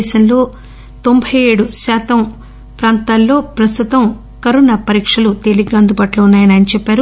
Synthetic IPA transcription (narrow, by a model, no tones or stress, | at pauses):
ʃɐnlo̞ː | t̪o̞mbʱɐje̞ːɽusaːt̪ɐm | pɾaːnt̪aːlːo̞ːpɾɐst̪ut̪ɐm | kɐɾunɐpɐɾiːkʂɐlut̪eːliɡaːnd̪ubaːʈlɐunːaːjɐnaːnit͡ʃɛpːaːɾu